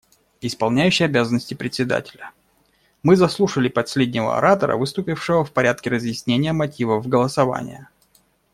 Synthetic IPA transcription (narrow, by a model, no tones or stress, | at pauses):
ɪspɐlˠnʲæjʉɕːɪjɐbʲazənːəsʲtʲɪpɾʲɪtʲsʲɪd̪a̰tʲɪlʲə | mɨzɐslˠuʂəlʲɪpɐsʲlʲedʲnʲɪvə̰ɐ̰ɾat̪əɾə̰vɨst̪ʊpʲɪfʂɨvəfpɐɾʲæt̪̚kʲɪɾəzjɪsʲnʲenʲɪjəmɐtʲivəvɡəlˠəsɐva̰nʲɪ̰jə